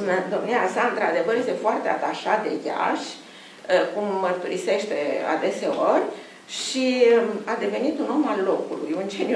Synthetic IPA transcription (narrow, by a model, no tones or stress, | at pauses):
d̪o̞mniasaɨnt̪ɾad̪e̞vərjest̪e̞foart̪e̞at̪aʃat̪̚d̪e̞ja̰ʃʲ | əkumːərt̪uɾise̞ʃt̪e̞a̰d̪e̞se̞orʲ | ʃiad̪e̞ve̞nit̪uno̞mallo̞kulujund͡ʒenʲ